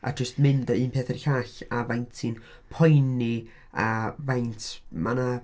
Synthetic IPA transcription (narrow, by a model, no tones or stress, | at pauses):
a̰d͡ʒəstmɪndəiːnpʰeːθərɬaɬavajntʰɨn | pʰɔjni | avajntʰmana